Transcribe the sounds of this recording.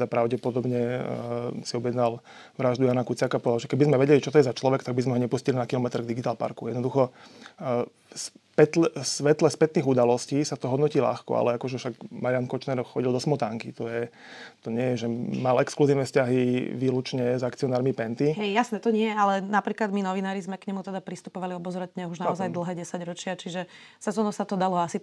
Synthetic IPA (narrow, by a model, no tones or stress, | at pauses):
zapɾaʊɟɛpɔd̪ɔbɲɛ | siɔbjɛd̪nal | ʋɾaʒd̪ujaːnakut͡sɪakapɔɛd̪alʒɛkɛbizmɛʋɛɟɛlit͡ʃɔt̪ɔjɛzat͡ʃlɔʋɛkt̪aɡ̚bizmɛɦɔɲɛpuscilinakilɔmɛt̪ɾɡd̪iɡit̪aːlpa̰ɾkujɛd̪nɔd̪uxɔ | spɛt̪lɛsʋɛt̪lɛspɛt̪niːɣud̪alɔsciːsat̪ɔɦɔd̪nɔciːla̰xkɔ̰a̰lɛakɔʒɛfʃaɡmaɾiankɔt͡ʃnɛɾxɔɟild̪ɔsmɔt̪aŋkḭt̪ɔjɛ | t̪ɔɲɪɛjɛʒɛmalɛkskluziːʊnɛfscaɦiʋiːlut͡ʃɲɛzaktt͡siɔnaːɾmipɛnt̪iɦɛjjasnɛːt̪ɔɲɪɛjɛalɛnapɾiːklad̪minɔʋinaːɾizmɛkɲɛmut̪ɛd̪apɾist̪upɔʋaliɔbɔzɾɛt̪ɲɛɦuʒnaɔzajd̪l̩ˠɦɛːɟɛsaɟɾɔt͡ʃɪat͡ʃiʒɛ | sɛzɔnɔsat̪ɔd̪alɔasi